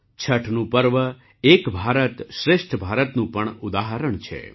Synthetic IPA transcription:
t͡ʃʰəʈʰnũpəɾʋə | ekbʱaɾət̪ʃɾɪʃʈʰbʱaɾət̪nũpəɳʊd̪aɦəɾəɳt͡ʃʰḛ

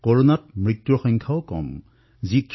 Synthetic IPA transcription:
kɔɹɔnat̚mɹitːɔxɔŋkʰawɔkɔ̰m | zikʰ

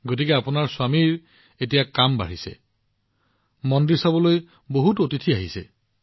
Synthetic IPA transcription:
ɡot̬ikɛapʊnaɹswamiɹ | etijakamba̰ɹisɛ̰ | mɔndiɹsabɔloj | boɦutotitʰiaɦisɛ̰

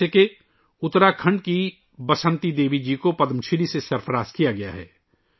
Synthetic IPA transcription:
eke | ʊt̪ɾakʰɐ̃ɳɖ̚ki | bɐsə̃nt̪id̪eːʋid͡ʒiːkopɐd̪əmt͡ʃʰilisesɐɾpʰɾaːskijaɡɐja̰ɦɛ̰ː

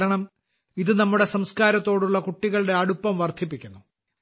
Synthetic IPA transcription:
ɾɐɳɐm | iðɨnɐmːuɽe̞sɐmskaːɾɐt̪ːo̞ːɽuɭːɐkuʈːiɣɐɭɽe̞ɐɽupːɐmʋɐrt̪ʰipːikʲːunːu

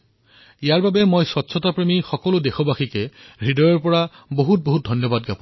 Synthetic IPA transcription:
ijaɹbabɛmojsɔtːsʰɔtapɹemixɔkɔlʊdexɔbaxikɛɹidɔjɔɹpɔɹa | boɦut̚boɦut̚dʱɔnjɔbadɡapɔ

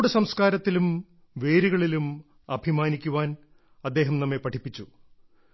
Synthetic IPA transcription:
ɽɨsɐmskaːɾɐt̪ːilum | ʋe̞ːɾiɣɐɭilum | ɐbʱimaːnikʲːuʋaːn | ɐd̪ːe̞ːɦɐmnɐmːepɐʈʰipːit͡ɕːu

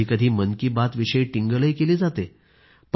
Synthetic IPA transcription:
iːkəd̪ʱiːmənkiːbat̪ʋiɕəjʈiŋɡələjkeliːd͡zat̪e | p

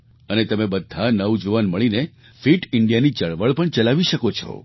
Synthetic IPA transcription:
ənet̪əmebəd̪ʱːanəʋũd͡ʒuʋanməɭine | fiʈɪɳɖijanit͡ʃəɭʋəɭpəɳt͡ʃəlaʋiʃəkot͡ʃʰo̰

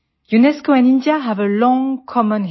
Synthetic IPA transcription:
junɛskoɛ̃nĩndiaɦævəlɔ̃ŋkʰɔmə̃n

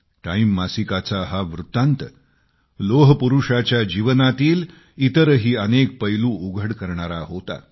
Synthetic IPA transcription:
ʈaimːasikat͡saɦaʋɾut̪ant̪ə | loɦəpuɾuʂat͡ɕjad͡ʑiʋənat̪iːl | it̪əɾɦiːənek̚pəjluːuɡʱəɽkəɾɳaɾaɦot̪a̰

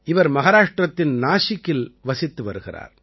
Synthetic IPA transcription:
ɪʋɐɾmɐɣaːɾaːʂʈrɐt̪ːɪnnaːʂɪkːɪlʋɐsɪt̪ːɯʋɐ̰ɾɯɣɪra̰ːɾ

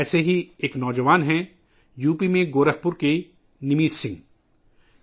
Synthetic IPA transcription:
ɛːseɦieːknɔːd͡ʒəʋaːnɦɛ̃ | juːpimẽɡoːɾəɦpʊɾke | nɪmiːssɪ̃ŋɡ

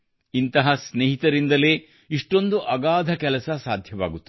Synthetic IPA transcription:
int̪ɐɦɐsneːɦit̪ɐɾind̪ɐleː | iʂʈo̞nd̪uʔɐɡaːd̪ʱɐkɛlɐsɐsaːd̪ʱjɐʋaːɡut̪ːu

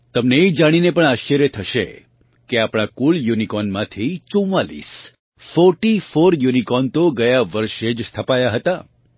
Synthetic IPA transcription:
t̪əmneːd͡ʒaɽ̃inepəɳaʃt͡ʃəɾjət̪ʰəʃḛ | keapɽ̃akuljunikɔnmãt̪ʰit͡ʃũwalḭs | fɔɾʈifoɾjunikɔnt̪oɡəjaʋəɾʃed͡ʒst̪ʰəpajaɦət̪a

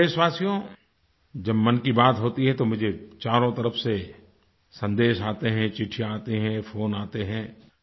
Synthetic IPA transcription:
eːʃwaːsijõ | d͡ʒɐbmɐnkibaːt̪ɦoːt̪iɦɛ̃t̪omʊd͡ʒʱet͡ʃaːɾõt̪ɐɾəfse | sɐ̃nd̪eːʃaːt̪eɦɛ̃t͡ʃɪʈʰijaːt̪eɦɛ̃foːnaːt̪eɦɛ̃ː

